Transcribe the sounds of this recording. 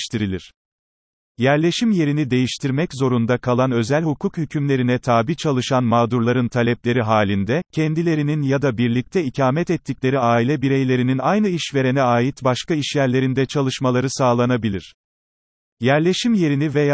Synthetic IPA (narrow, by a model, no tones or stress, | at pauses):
ʃt̪ʰiɾilʲiɾ̥ | jæɾlʲe̞ʃimje̞ɾinid̪e̞jiʃt̪ʰiɾmɛczo̞ɾund̪akʰalˠanø̞zælʲhukʰukhycʰymlʲe̞ɾinɛt̪ʰaːbiːt͡ʃʰalˠɯʃanmaːd̪uɾlˠaɾɯnt̪ʰalʲɛplʲe̞ɾiɦaːlʲind̪ɛcʰɛnd̪ilʲe̞ɾininjad̪abiɾlʲic̚t̪ʰɛicʰaːmɛt̪ɛt̪ʰːiclʲe̞ɾiaːilʲɛbiɾejlʲe̞ɾininajnɯiʃve̞ɾe̞nɛaːjit̪baʃkaiʃjæɾlʲe̞ɾind̪ɛt͡ʃʰalˠɯʃmalˠaɾɯsaːlˠanabilʲiɾ̥ | jæɾlʲe̞ʃimje̞ɾinivej